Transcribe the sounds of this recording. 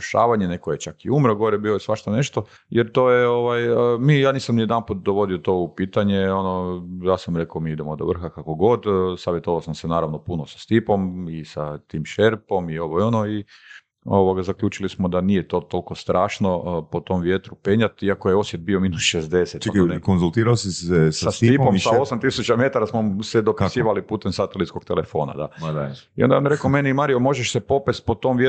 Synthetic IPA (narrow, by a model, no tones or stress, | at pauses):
ʃaːʋaɲenekojet͡ʃakiumɾoɡoɾebiːlojesʋaʃt̪ane̞ʃt̪o̞ | jeɾt̪oːjeo̞ʋajəmiːjaːniːsamnijed̪anput̪̚d̪oʋo̞d̪iot̪o̞ːupiːt̪aɲeo̞nojaːsamɾe̞kaomiːid̪emod̪oʋr̩xakakoɡo̞d̪saːʋjet̪o̞ʋaosamsenaːɾaʋno̞punosḁst̪ipo̞misat̪iːmʃeɾpo̞mioʋojonoi | oʋoɡazakʎʲuːt͡ʃilismod̪anijet̪o̞t̪o̞lko̞st̪ɾʔaːʃno̞po̞t̪o̞mʋjet̪ɾupeɲat̪iakojeo̞sjet̪̚bio̞minusʃezd̪e̞set̪nkonzulˠt̪iːɾaosissast̪ːipomaaosamt̪isut͡ʃame̞t̪aɾasmosed̪o̞pisiːʋalipuːt̪emsat̪elit̪sko̞ɡ̥̚t̪ele̞fo̞ːna̰d̪a | iond̪aamjɾe̞kome̞niimaːɾiomo̞ʒeʃsepo̞pest̪po̞t̪o̞mʋje